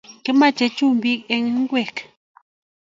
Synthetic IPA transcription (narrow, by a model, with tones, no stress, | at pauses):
ke˨˦ma˦˨t͡ʃɛ˨t͡ʃu˦˨m˦bi˦k̚ɛ˦ŋ˦ŋ̩˦ɡwɛ˦˨k